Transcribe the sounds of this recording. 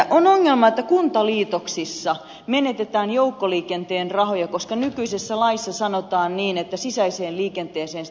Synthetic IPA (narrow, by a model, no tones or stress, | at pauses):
ʔonoŋːelmɑet̪ːækunt̪ɑliːt̪oksisːɑ | menet̪et̪æːnjoukːoliːkent̪eːnrɑhojɑkoskɑnykyisesːælɑisːɑsɑnot̪ɑːnniːnet̪ːæsisæiseːlliːkent̪eːseːn